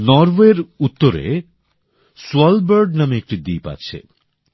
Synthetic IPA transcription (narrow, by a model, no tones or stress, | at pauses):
nɔɾweɾut̪ːoɾḛ | suɔlbəɾɖnameek̚ʈid̪ijpa̰ːɕʰḛ